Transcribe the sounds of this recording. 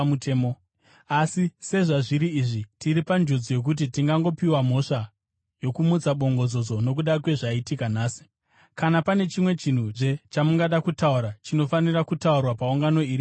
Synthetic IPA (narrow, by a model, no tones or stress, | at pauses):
muteːmo | asise̞ʐaʐiɾiːʐitiɾipand͡ʒod͡zije̞k̬ut̬itiŋɡaŋɡo̞piwam̤o̞ʂa | jo̞kumut͡saɓo̞ŋɡo̞d͡zo̞d͡zo̞no̞k̬uɗakwe̞ʐaitikan̤aːsi̥ | kanapane̞t͡ʃimwe̞t͡ʃin̤uʐe̞t͡ʃamuŋɡaɗakutauɾat͡ʃino̞fanirakutaurwapauŋɡano̞iɾi